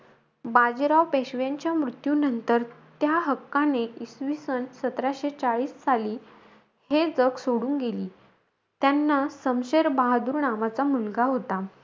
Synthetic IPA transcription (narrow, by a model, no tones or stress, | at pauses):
bad͡ʑɾawpeɕʋjaɲt͡ɕjamɾut̪junənt̪əɾt̪jaɦəkːaneisʋisənsət̪ɾaɕet͡saɭiːssaliː | hed͡zəksoɽuːŋɡeliː | t̪janːasəmɕeɾbaɦad̪uːɾɳamat͡samulɡaɦot̪a